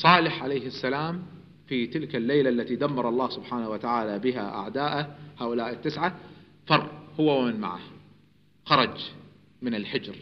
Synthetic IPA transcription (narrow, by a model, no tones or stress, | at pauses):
sˤɑːlɪħʕalaːhɪsːalaːm | fit̪ɪlkalːeːlaʔalːat̪id̪amːɑɾˤɑlˤːɑːhsʊbħaːnawat̪aʕaːlabɪɦa̰ʔa̰ʕd̪aːʔahaːʔʊlaːʔɪt̪ːɪsʕa | fɑrˤːhʊwːawmɪnma̰ʕa̰h | xɑɾˤɑd͡ʒ | mɪnɪlħɪd͡ʒɾ